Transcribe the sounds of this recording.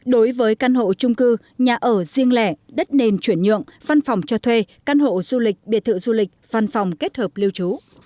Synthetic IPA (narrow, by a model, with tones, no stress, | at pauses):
ɗo˨˦jvəː˨˦jka˧nɦo̰˧˨t͡ɕʊ˧ŋ͡mkɨ˧ | ɲaː˨˩ʔəː˧˩zi˧əŋlɛ˧˩ɗə˦˥t̚ne˧˩nt͡ɕwi˧˩ənɲɨ̰˧˨əŋva˧nfa˨˩wŋ͡mt͡ɕɔ˧t̪ʰwe˧ka˧nɦo̰˧˨z̥u˧lï˨˩k̟̚ɓḭ˧˨ət̪ʰɨ̰˧˨zu˧lï˨˩k̟̚v̥a˧˩nfa˨˩wŋ͡mke˦˥t̚həː˨˩p̚li˧əwt͡ɕu˨˦